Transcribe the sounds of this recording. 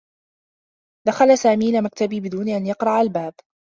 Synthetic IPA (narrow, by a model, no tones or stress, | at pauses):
d̪̥axalasaːmiːlamakt̪abiːbɪd̪uːnʔanjɑqɾˤɑʔalbaːb